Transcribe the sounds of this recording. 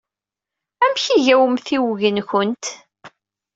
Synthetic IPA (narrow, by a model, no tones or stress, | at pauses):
æmçiʝæwəmθiwʝənçənt̪